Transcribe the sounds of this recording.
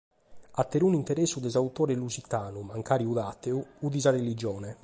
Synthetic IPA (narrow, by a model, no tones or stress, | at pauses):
at̪ːeɾunint̪ɛɾɛsːud̪ɛzaut̪ɔːɾɛlusit̪aːnumaŋkaːɾiuðat̪ːeuuðizarelid͡ʒɔːnɛ